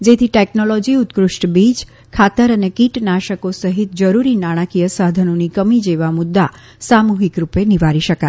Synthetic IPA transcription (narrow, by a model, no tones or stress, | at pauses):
d͡ʒet̪ʰiʈɛknɔlɔd͡ʒiut̪kɾuʃʈbid͡ʒ | kʰat̪əɾənekiʈnaʃəkosəɦit̪̚d͡ʒəɾuɾinaɽ̃ãkijəsad̪ʱənonikəmid͡ʒeʋamʊd̪ːa | samuɦikɾupeniʋaɾiʃəka